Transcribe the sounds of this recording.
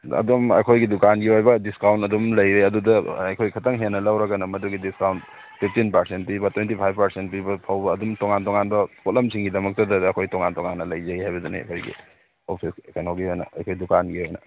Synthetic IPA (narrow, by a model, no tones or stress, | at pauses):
ɐ̰dumɐ̰jkʰojɡidukanɡiɦojbɐdiskawntɐdumlɐjɾeɐdudɐɐjkʰojkʰɐtɐŋɦenːɐlɐwɾɐkɐnɐmɐduɡidiskawnt̚ | pʰip̚ʰtinpɐɾsent̚pibɐtʰwentipʰajb̚pɐɾsent̚pibɐpʰawbɐːdumtoŋantoŋanbɐkot̚lɐmsiŋɡidɐmɐk̚tɐdɐɐkʰojtoŋantoŋanːɐlɐjzɐihajbɐdunḛɐ̰kʰojɡḭ | opʰiskɐnawɡiɦojnɐ̰ɐ̰jkʰojdukanɡihojnɐ̰